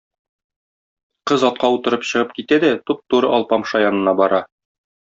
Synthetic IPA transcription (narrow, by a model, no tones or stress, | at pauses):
qɤzɒt̪̚qɑut̪ɤ̆ɾɤpɕɤ̆ʁɤp̚kit̪æd̪æt̪up̚t̪uɾɤʔɒlˠpɑmʃɑjɒnɤ̆nɑbɒɾɑ